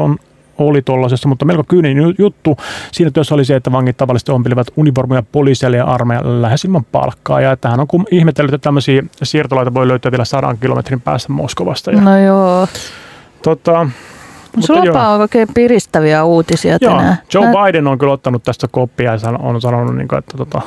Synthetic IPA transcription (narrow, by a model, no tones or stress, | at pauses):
on | olit̪olːɑsesːɑmut̪ːɑmeilkokyːninjut̪ːusiːnæt̪yøsːoliseet̪ːæʋɑŋːit̪t̪ɑʋɑlːist̪iompiliʋæt̪uniformujɑpoliːselːejɑ̰ʔɑrmejɑ̰lːelːæhæsilmɑmppɑ̰lkːɑ̰ːjɑet̪ːæhænoŋkumihmet̪ːelːyt̪ːt̪æmːøsiːsirt̪olɑit̪ɑʋoiløyt̪yæʋiælæsɑɾɑ̰ŋkilo̰mḛt̪rimpæ̰ːst̪æmo̰skoʋɑ̰st̪ɑjɑnojoː | t̪ot̪ɑ | musulojoːpɑõŋoˑkeːmpirist̪æʋiɑuːt̪isiɑtj̪oːæt͡ʃoubɑidenoŋkylot̪ːɑnut̪t̪æst̪ækopːiɑjshæno̰nsɑnonunnḭːŋkoḛt̪ːæ̥t̪ot̪ɑ